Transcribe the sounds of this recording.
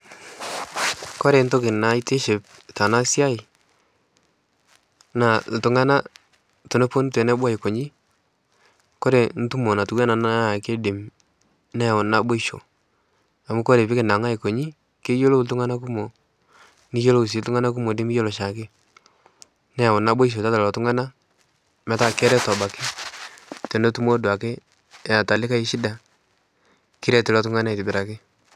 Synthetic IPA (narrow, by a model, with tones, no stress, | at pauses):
kɔ˦ɾe˨nto˦kɪ˨na˨i˦te˦ʃe˨p̚ | ta˨na˦sja˦ɪ˨ | na˨ltʊ˨ŋa˦na˦ | to˨ne˦po˦n˦twɛ˨nɛ˦ba˦˨i˨ko˨ɲi˦ | kɔ˦ɾe˨n̩˦tu˦mo˨na˨tu˨kwɛ˦na˨na˦˨ke˦de˨m | nɛ˦˨ɔ˨na˨bo˦i˦ʃo̰˨ | a˨mu˦kɔ˦ɾe˨pɪ˦kɪ˨na˨ŋa˦i˨ko˨ɲi˦ | ke˦jo˦lo˦tu˦ŋa˦na˦ku˦mo˨ | ni˦jo˦lo˦u˨s̬i˨˦ltu˦ŋa˦na˦k̬u˦mo˨dɪ˦mi˦jo˦lɔ˨ʃa˨kɪ˦ | nɛ˦a˨ʊ˨na˨˦bo˦i˦ʃ̬o˨ta˦ta˨lɔ˨tu˦ŋa˦na˦ | mɛ˨˦ta˦˨kɛ˦ɾɛ˦tɔ˨ba˨kɪ˦ | tɛ˨no˦tu˦mo˦dwa˨kɪ˦˨ | a˨ta˨lɪ˦ka˦i˦ʃi˦da˨ | ki˦ɾɛ˨tu˨lɔ˨˦tu˦ŋa˦na˦i˨tɪ˨bɪ˨ɾa˨kɪ˦